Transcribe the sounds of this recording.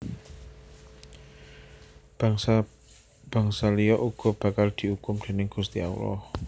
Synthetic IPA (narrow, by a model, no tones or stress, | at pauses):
b̥ä̤ŋsalijɔʔuɡ̥ɔ̤b̥ä̤kald̪̥i̤ukʊmd̪̥e̤nɪŋɡ̥ṳst̪ia̰ṵɾɔ̰h